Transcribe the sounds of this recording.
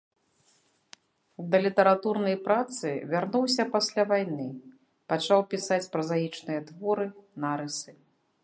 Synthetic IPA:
d̪ɐlʲit̪ɐɾat̪urnɐjpɾat̪sɨvʲarnuwsʲɐpasʲlʲavajnɨ | pat͡ʂawpʲisat͡sʲpɾɐzajit͡ʂnɨjɐd̪vɔɾɨnaɾɨsɨ

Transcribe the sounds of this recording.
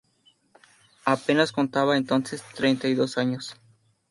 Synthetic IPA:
ape̞nasko̞nt̪aβaent̪o̞nsest̪ɾejnt̪ajðo̞saɲos

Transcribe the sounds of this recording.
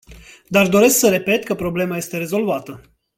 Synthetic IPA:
d̪ard̪o̞ɾe̞sksəɾe̞pe̞t̪kəpɾo̞ble̞maje̞st̪e̞ɾezo̞lvat̪ə

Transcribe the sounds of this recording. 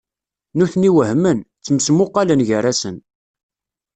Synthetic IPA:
nuθniwəhmənt͡sːəmsmʊqːɑlənʝərːasən

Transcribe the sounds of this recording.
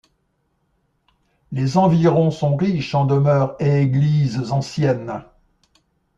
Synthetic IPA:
lezɑ̃viʁɔ̃sɔ̃ʁiʃɑ̃d̪əmœʁeːɡlizzɑ̃sjɛn

